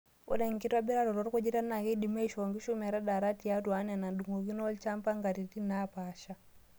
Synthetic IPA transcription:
ṵ˦ɗɛ˨ŋki˦ta˦bi˦ɾa˦ɾɔ˨ɾɔ˨ɾku˦d͡ʒi˦ta˦na˨kɛ˦ɗi˨ma˦iʃɔŋɡi˦ʃu˦ma˨ɾa˦ɗa˨ɾa˦ti˨a˦twa˦na˨na˨nɗu˨ŋɡɔ˨ki˦nɔ˦lt͡ʃa˦mpa˦ŋɡa˨ɾi˨ti˦napa˨ʃa˦

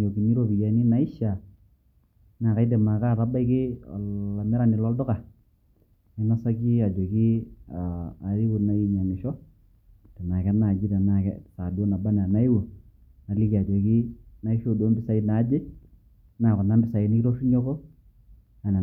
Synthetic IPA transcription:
o˨ki˨ni˦ɾo˦bi˨ja˨˦ni˦na˨˦ɪ˦ʃa˨ | na˨ka˨˦jt̬e˨ma˨ka˦˨ta˦ba˦ɪ˦kɪ˦ɔ̰˨a˨mɛ˦ɾa˦˨nɪ˨lɔ˦ldʊ˦ka˨ | ɛ˦na˦sa˦ki˦a˨d͡ʒɔ˨ki˦aː˨ɾi˦wu˨na˦i˦ɲa˨mɪ˨ʃɔ˦ | te˨ma˨kɛ˦na˨d͡ʒɪ˦te˨na˨kɛ̰˦sa˨do˦na˨ba˦n˨a˨na˦i˦wo˨ | na˨li˦ki˨a˨d͡ʒɔ˨ki˦na˦i˦ʃo˦˨do˦mbɪ˦sa˦ɪ˦na˨˦d͡ʒɪ˦ | na˨kʊ˨na˦mbɪ˦sa˨i˨ni˦ɾo˦ʃi˦ɲɔ˦kɔ˦ | a˨na˨

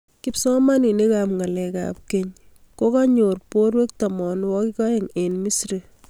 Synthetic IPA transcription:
ki˦psɔ˦ma˦ni˨ne˦kapŋa˨lɛka̰p̚keɲ | ko˦kaɲorpoɾwe˦k̚ta˨mɔ˨nwɔkikɔ˦jeŋenmi˦sɾi

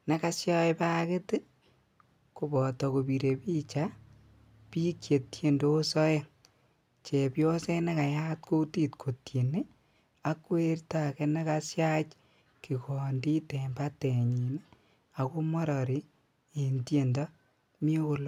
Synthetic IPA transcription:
ne˦ka˦sja˦jpa˦ke˦tɪ˦ | ko˨bɔ˨tɔ˨ko˨bi˨ɾe˨pi˦t͡ʃa˦ | pi˦kje˨tje˦ndo˦sɔ˦je˦ŋ | t͡ʃe˨pjɔ˦se˦ne˦ka˨ja˦tko˦ti˦tkʰo˨tje˨ne˦ | a˦kwe˦rta˨kɛ˧ne˦ka˦sja˦t͡ʃ | ki˨kɔ˨ndi˦te˨mba˦te˨ɲi˨n | a˨ko˦mɔ˦ɾɔ˨ɾi˨˦ | e˨ntje˨ndɔ˦ | mi˦o˦ko˨l

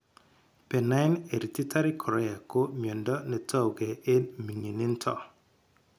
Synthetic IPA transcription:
pɛ˨na˦ɪ˦ne˨ɾi˨ti˦ta˦ɾɪ˦kʰɔ˨ɾɛ˦a˨ko˦mjɔ˨ndɔ˦nɛ˨tʰɔ˦wɡe˨ʔe˦mi˨ŋi˨nɪ˦ntʰɔ̰˦˨

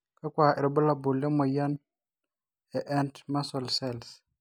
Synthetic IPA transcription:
ka˦kwa˨e˨ɾbɔ˦la˨bu˨le˦mɔ˨ja˦n | ɛ˨ʔɛ˦ntma˦sɔ˨lsɛ˦˨ls

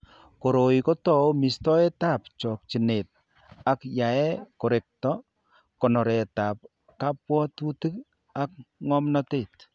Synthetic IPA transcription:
ko˨ɾo˨i˨kɔ˦tɔ˦mi˨stɔ˦ɛ˦ta˦p̚t͡ʃɔ˨k̚t͡ʃi˨ne˨t̚ | a˨kja˨ɛ˦kɔ˨ɾe˨k̚tɔ | kɔ˨nɔ˨ɾɛ˨ta˨p̚ | ka˦pwɔ˦tu˦ti˦k̚ | a˦k̚ŋɔ˦mnɔ˦te˦˨t

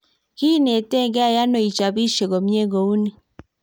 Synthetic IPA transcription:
ki˦ne˨te˦˨ŋɡɛ˦a˦˨ja˦no˨i˨t͡ʃa˨βi˦ʃe˨ɣɔ˨mje˦ɣo˨u˦ni˦

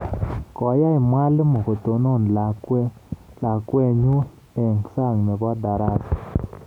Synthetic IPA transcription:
kɔ˨˦ja˦ɪ˨mwa˦lmo˨ko˨to˨no˦˨nla˨kwɛ˦ | la˨kwɛ˦ɲu˦ | ɛ˨ŋsa˦˨ŋnɛ˨ɡa˦da˨ɾa˦t

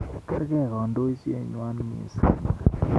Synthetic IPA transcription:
kɛ˦ɾkɛ˦˨kɔ˨ndo˦t͡ʃḛ˨ɲwa˦nmḭ˨sa̰˨

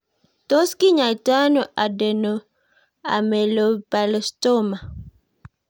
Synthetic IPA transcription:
to˦ski˦ɲa˨ta˦no˨ʔa˨dɛ˨no˨ | a̰˨me˨lo˨pa˨lɔ˨sto˦ma˨

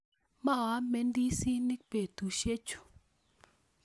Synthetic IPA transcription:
ma˦a˨˦me˦ndi˦si˦nɪ˦k̚pe˨t̪u˨ʃe˦t͡ʃu̥˨

